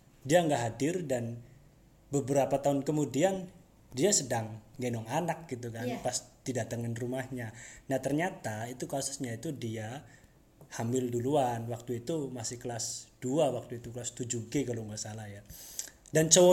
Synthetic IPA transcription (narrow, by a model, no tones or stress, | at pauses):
diaŋɡaʔɦadɪrdan | bəbəɾapat̪aʊnkəmudian | diasədaŋːenɔŋanak̚ɡit̪̬ukanpast̪idaʔt̪aŋanrumahɲanaht̪ərɲat̪ait̪ukasʊ̥sɲait̪udia | hambɪlduluanwak̚t̪uit̪umasɪhkəlasd̥uawak̚t̪uit̪ukəlast̪ud͡ʒuɡekaloŋɡaʔsalahja | dant͡ʃo